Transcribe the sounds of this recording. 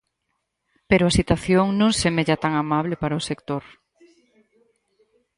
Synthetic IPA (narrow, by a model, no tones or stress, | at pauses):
peɾʊasit̪waθjoŋnõŋsemeʎat̪aŋamaβlepaɾaosekt̪oɾ